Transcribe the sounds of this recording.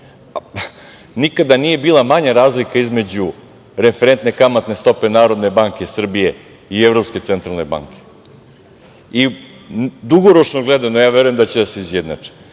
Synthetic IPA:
nikad̪anije̞biːlˠamaɲaɾaːzlikaizme̞d͡ʑu | ɾe̞feɾent̪ne̞kamat̪ne̞st̪o̞pe̞naːɾo̞d̪ne̞baŋkʲe̞sr̩bije̞ | ievɾopske̞t̪se̞nt̪ɾalˠne̞ba̰ŋkʲe̥ | i | d̪uɡoɾo̞t͡ʃnoɡled̪anojaːʋeɾuje̞md̪at͡ɕed̪ase̞izjed̪na̰t͡ʂe̥

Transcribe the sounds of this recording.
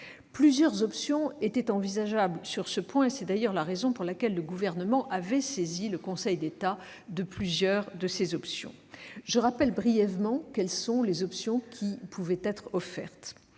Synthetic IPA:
plyzjœʁzɔpsjɔ̃et̪ɛt̪ɑ̃vizaʒablsyʁsəpwɛ̃sɛd̪ajœʁlaʁezɔ̃puʁlakʲɛlːəɡuvɛʁnəmɑ̃ʔavɛseziləkɔ̃sɛjd̪et̪a | d̪əplyzjœʁd̪əsezɔpsjɔ̰̃ʒəʁapɛlbʁijɛvmɑ̃kɛlsɔ̃lezɔpsjɔ̃kʲʰipʰuvɛt̪ɛt̪χɔfɛ̰ʁt̪

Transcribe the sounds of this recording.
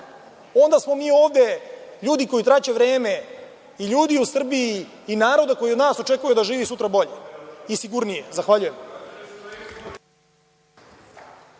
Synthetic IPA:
o̞nd̪asmomiːo̞ːʋd̪e̞ʎuːd̪iko̞jit̪ɾat͡ɕeʋɾeːme̞ | iʎuːd̪iusr̩bijiː | naːɾo̞d̪ako̞jiod̪naːso̞t͡ʃe̞kuajud̪aʒiːʋisut̪ɾabo̞ʎeisiɡuɾnijezaxʋaʎuje̞m

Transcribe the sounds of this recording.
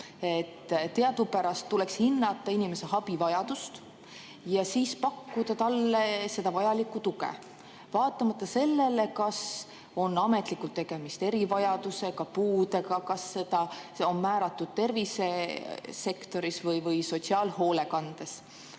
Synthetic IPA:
et̪ːt̪e̞ɑd̪̥upæɾɑst̪ːulekshinːɑt̪ːˑɑinime̞se̞ɦɑbivɑjɑd̪̥ust̪ | jɑsiːspɑkːud̪̥ɑt̪ɑlːese̞d̪̥ɑvɑjɑlikːˑut̪uɡḛ | vɑːt̪ːˑɑmɑt̪ːˑɑse̞lːe̞le̞kɑs | o̞nːɑme̞t̪ˑlikːˑult̪ːe̞ɡ̥e̞mist̪e̞ɾivɑjɑd̪̥use̞kɑpuːd̪e̞kɑkɑsːe̞d̪̥ɑo̞nmæːɾɑt̪ːˑud̪̥̚t̪e̞rvise̞se̞kt̪o̞ɾisvɤjvɤjso̞tsiɑːlho̞ːle̞kɑnd̪̥e̞s

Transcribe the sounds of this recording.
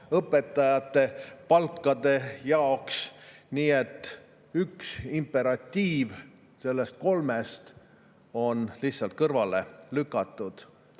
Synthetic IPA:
ɤpːˑe̞t̪ːˑɑjɑt̪ːe̞pɑlkːˑɑd̪̥e̞jɑoksniːe̞t̪ːˑ | yksimpe̞ɾɑt̪ʲːiːv | se̞lːe̞st̪̚ko̞lmest̪ | o̞nliçsɑlt̪̚kɤrvɑle̞lykˑːɑt̪ˑːud̪̥

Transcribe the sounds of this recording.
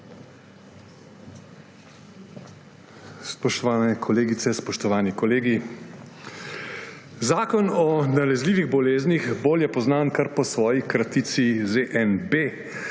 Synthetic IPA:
spɔʃt̪ɔʋaːnɛkʰɔleːɡitsɛspɔʃt̪ɔʋaːnikɔleːɡi | zaːkɔnɔnalɛzliːʋiɣbɔleːznixboːljɛpɔznaːnkaɾpɔsʋɔːjikɾat̪it̪sizeʔɛnbe

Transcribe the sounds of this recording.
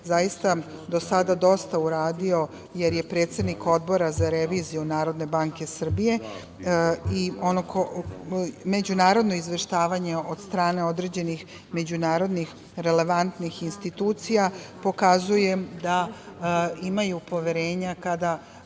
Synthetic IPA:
zajist̪a | d̪o̞sad̪ad̪o̞st̪auɾaːd̪io̞ | je̞ɾje̞pɾe̞ːt̪se̞d̪niko̞d̪bo̞ɾazaɾeʋiːzijunaːɾo̞d̪ne̞baŋke̞sr̩bije̞ | ionoko | me̞d͡ʑunaːɾo̞d̪no̞izʋe̞ʃt̪aːʋaɲe̞od̪st̪ɾaːne̞o̞d̪ɾe̞ːd͡ʑe̞nix | me̞d͡ʑunaːɾo̞d̪nix | ɾe̞le̞ʋant̪nixinst̪it̪uːt̪sijapo̞kazuje̞d̪a | imajupo̞ʋe̞ɾe̞ːɲakad̪a

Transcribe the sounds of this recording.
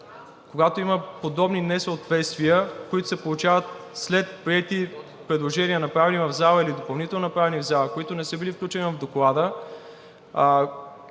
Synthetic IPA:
koɡat̪oiməpod̪ɔbninɛsəot̪vɛt̪st̪viəkoit̪o̥sɛpolˠut͡ʃavət̪̚slɛt̪̚pɾiɛt̪i | pɾɛd̪lˠoʒɛnʲiənɐpɾavɛnivɐvzalˠəilid̪opɐlˠnit̪ɛlˠnonɐpɾavɛnivzalˠəkoit̪onɛsɤbilifklʲut͡ʃɛnivɐvd̪oklˠad̪ə

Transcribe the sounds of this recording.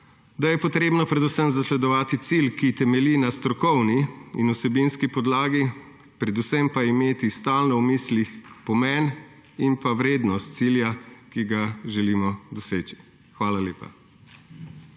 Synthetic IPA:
d̪ajɛpɔt̪ɾeːbnɔpɾɛd̪usəmzaslɛd̪ɔʋaːt̪it̪silkit̪ɛmɛlinast̪ɾɔkɔwniinusɛbinskipɔd̪laːɡi | pɾɛd̪usɛmpaimeːt̪ist̪aːlnɔwmislixpɔmɛn | inpawɾeːd̪nɔst̪̚siljakiɡaʒɛliːmɔd̪ɔseːt͡ʃi̥ | xʋaːlaleːpa̰

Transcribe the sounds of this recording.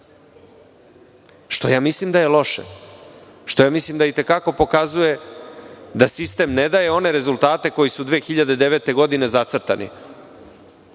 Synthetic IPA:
ʃt̪o̞̰jaːmislimd̪aje̞lo̞ʃḛ | ʃt̪ojaːmislimd̪ait̪e̞kako̞po̞kazuje̞ | d̪asist̪e̞mned̪aje̞o̞ne̞ɾe̞zulˠt̪aːt̪e̞ko̞jisud̪ʋeːxiʎad̪ed̪e̞ʋet̪e̞ɡo̞d̪ine̞zat̪sr̩t̪anḭ

